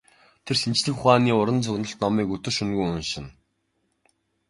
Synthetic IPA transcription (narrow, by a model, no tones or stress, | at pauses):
t̪ʰersint͡ɕɮɘ̆xʊχaːniːʊɾə̆nt͡sʰɵɣnə̆ɬt̪nɔmiːkɵt̪ɵ̆rʃɵnɣujʊnʃɪ̆n